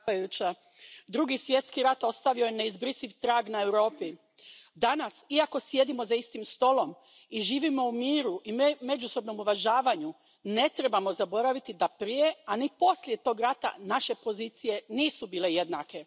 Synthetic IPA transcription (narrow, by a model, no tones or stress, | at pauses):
ajut͡ɕa | d̪ɾuɡisʋje̞t̪skiɾat̪o̞st̪aʋio̞jene̞izbɾisiʋt̪ɾaːɡnae̞wɾo̞ːpi | d̪anasiako̞sje̞d̪imo̞zaist̪imst̪o̞lo̞m | iʒiːʋimo̞umiːɾuʔime̞d͡ʒuso̞bno̞muʋaʒaːʋaɲu | ne̞t̪ɾe̞bamo̞zabo̞ɾaʋit̪id̪apɾije̞anipo̞slʲje̞t̪o̞ːɡɾat̪a̰naʃe̞po̞ziːt̪sije̞niːsubiːle̞je̞d̪nake̞